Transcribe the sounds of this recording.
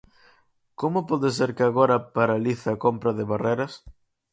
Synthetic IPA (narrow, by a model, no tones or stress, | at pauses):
komʊpɔðɪs̬eɾkɪaɣoɾɐpaɾaliθɪakompɾɐðɪβareɾɐs